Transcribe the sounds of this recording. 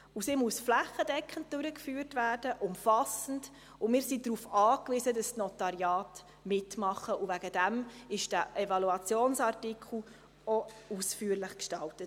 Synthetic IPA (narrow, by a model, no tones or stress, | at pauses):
usimuəsflæχəd̥ɛkχən̩t̚d̥ʉɾəkfyːrtvæːrd̥əʔʊmfɑsən̩d | ʊmɪːɾsidɾuːfɑːkʋizədɑsnɔtɑɾjɑːt | mɪtmɑχəuvæɡəd̥æmɪʃd̥æʔɛvɑluɑt͡sjoːnsɑrtikχl̩ | ɔusfyːəɾlɪχkʃtɑltət